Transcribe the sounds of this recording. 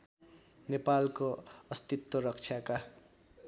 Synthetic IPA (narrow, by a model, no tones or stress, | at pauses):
nepalkoʌst̪it̪ːoɾʌk̚t͡sʰjaka